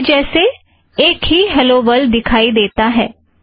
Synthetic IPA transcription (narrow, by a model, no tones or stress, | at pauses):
d͡ʒɛːseː | ɪkɦiːɦɛloːbəld̪ɪkʰaːiːd̪eːt̪aːɦɛː